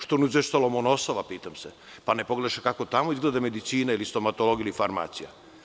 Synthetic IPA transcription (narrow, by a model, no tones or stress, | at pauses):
ʃt̪onizʋeʃt̪oalomonosoʋapiːt̪amse | panepo̞ɡleaʃekako̞t̪amoizɡled̪ame̞d̪it̪siːnailist̪o̞mat̪oloɡilifaɾma̰ːt̪sija̰